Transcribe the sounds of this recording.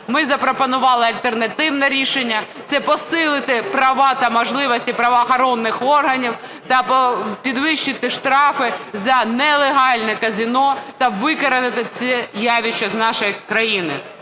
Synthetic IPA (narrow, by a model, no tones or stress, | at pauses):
mɪzɐpɾɔpɔnʊʋɑlˠɪɐlʲt̪ernɐt̪ɪwnɛɾʲiʃenʲːɐt̪sɛpɔsɪlˠɪt̪ɪpɾɐʋɑt̪ɐmɔʒlˠɪʋɔsʲtʲipɾɐʋɐxɐɾɔnːɪxɔrɦɐnʲiw | t̪ɐppʲid̪ʋɪʃːɪt̪ɪʃt̪ɾɑfɪzɐnɛlˠeɦɑlʲnɛkɐzʲinɔt̪ɐʋɪkɐɾɐnɪt̪ɪt͡s̪ʲɛjaʋʲit͡ʃːɐznɑʃɔjikɾɐjinɪ̰